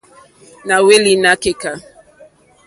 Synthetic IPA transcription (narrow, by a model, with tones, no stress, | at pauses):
na˨we˦li˨na˦ke˨ka˨